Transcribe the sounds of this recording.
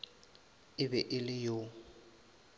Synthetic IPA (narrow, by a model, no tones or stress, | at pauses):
ɪbɛʔɪlɪjo